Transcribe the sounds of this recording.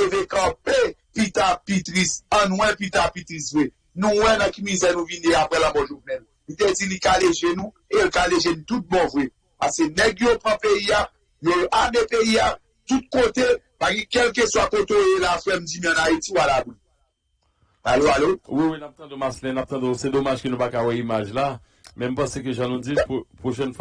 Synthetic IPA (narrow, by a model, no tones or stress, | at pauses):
evekãpepit̪apit̪ɣisɐ̃nwɛ̃pit̪apit̪ʁisvwe | nũwɛ̃nɐ̃kimizɛnũvineapɣɛlãbɔʒunɛl | lit̪ed͡zilikaleʒenũ | elkaleʒenũt̪ut̪̚bɔ̃vwe | pasenɛɡjopʁɐ̃peia | joamepeia | t̪ut̪̚kot̪e | paɡɛ̃kɛlk̬eswakot̪oelafwɛm̩d͡ʒimĩə̃naitiwalabun | aloalowiwinap̚t̪ɑ̃d̪omaslɛ̃nap̚t̪ɑ̃d̪osɛd̪omaʒkønũpakawɛimaʒla | mɛ̃m̩pɑ̃sek̬øʒãnũd͡zippoʃɛnf